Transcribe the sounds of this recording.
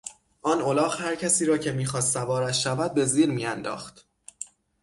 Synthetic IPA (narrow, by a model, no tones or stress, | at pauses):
ʔɒːnolɒːχhæɾcʰæsiːɾɒːcʰe̞miːxɒːst̪sævɒːɾæt̪ʃævæd̪̚be̞ziːɾmiːænd̪ɒ̰ːχt̪